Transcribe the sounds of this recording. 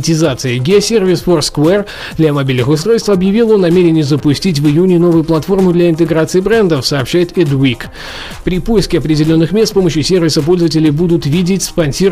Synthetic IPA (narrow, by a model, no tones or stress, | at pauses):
tʲɪzat̪sɨɪɡʲɪɐsʲervʲɪsfort̪skʊɛr | d̪lʲɐmɐbʲilʲnɨxʊst̪ɾo̞jst̪fɐbjɪvʲilˠo̞nːɐmʲeɾʲɪnʲɪjzəpʊsʲtʲit̬ʲvɨjunʲɪno̞vʊjʊplˠɐt̪fo̞rmʊd̪lʲɐɪnt̪ɨɡɾat̪sɨɪbɾɛnd̪əfsɐːpɕːæjɪt̪ɛd̪wik | pɾʲɪpo̞ɪskʲɪɐpɾʲɪdʲɪlʲo̞nːɨxmʲet̪spo̞məɕjʊsʲe̞rvʲɪsəp̬o̞lʲzəvətʲɪlʲɪjbud̪ʊt̪vʲidʲɪtʲspɐnʲsʲi